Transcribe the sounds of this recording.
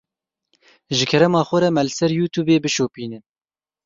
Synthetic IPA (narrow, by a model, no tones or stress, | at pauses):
ʒɪkʰɛɾɛmɑːxʷɛɾɛmɛlɨsɛɾjuːt̪ʰuːbeːbɨʃoːpiːnɨn